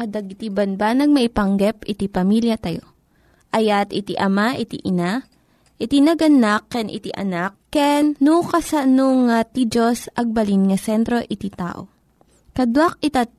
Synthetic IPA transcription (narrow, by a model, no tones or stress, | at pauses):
kɐd̪ɐɡɪt̪ibɐnbanɐɡ̚mɐʔipɐŋɡɛpɪt̪ipɐmiljɐt̪ɐjo̰ | ʔɐjat̪ɪt̪iʔɐmaʔɪt̪ḭʔɪna | ʔɪt̪inɐɡɐnakːɛnʔɪ̰t̪iʔɐ̰nakːɛnːukɐsɐnoŋat̪id͡ʒosʔɐɡ̚bɐlinŋɐsɛnt̪ɾo̞ʔɪt̪it̪a̰ːʔo̞̰ | kɐd̪wak̚ɪt̪at̪̚